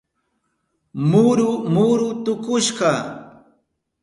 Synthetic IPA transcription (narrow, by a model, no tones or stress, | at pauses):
mʊɾʊmʊɾʊt̪ʊkʊʃɢɑ